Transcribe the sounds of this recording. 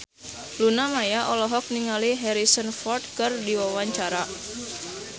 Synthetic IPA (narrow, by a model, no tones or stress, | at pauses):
lunamajaʔɔlɔɦɔk̚niŋaliɦɛɾisənfɔrt̪̚kɨrdiwawaɲt͡ʃaɾa